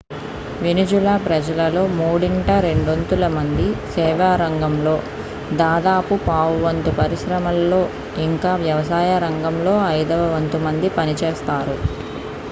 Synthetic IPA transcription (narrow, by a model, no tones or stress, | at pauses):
ʋinid͡ʒulaːpɾɐd͡ʒɐlɐlo̞ːmuːɽiɳʈɐɾe̞ɳɖont̪ulɐmɐnd̪isɛːʋaːɾɐŋɡɐmlo̞ː | d̪aːd̪aːpupaːʋuʋɐnt̪upɐɾiʃɾɐmɐlːo̞ː | iŋkaːʋjɐʋɐsaːjɐɾɐŋɡɐmlo̞ːɐjd̪ɐʋɐʋɐnt̪umɐnd̪ipɐnit͡ʃeːst̪aːɾu